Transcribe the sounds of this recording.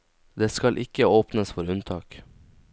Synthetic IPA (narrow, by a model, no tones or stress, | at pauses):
d̪eːskɑlʔɪkəoːpnəsfɔɾʉnt̪ʰɑːk